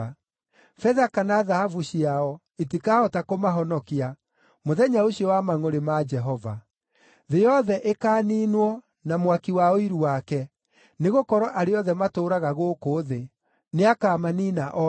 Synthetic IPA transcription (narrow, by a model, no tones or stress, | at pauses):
fɛðakanaðahavuɕiaɔ | etikaɔtakomaɦɔnɔkia | moðɛɲaoɕiɔwamaŋoɾemad͡ʒɛɦɔva̰ | ðejɔðɛʔekaːninwɔ | namwakiwaoiɾuwakɛ | neɣokɔɾɔʔaɾeɔðɛmatoːɾaɣaɣoːkoːðe | neakamaniːnaʔɔ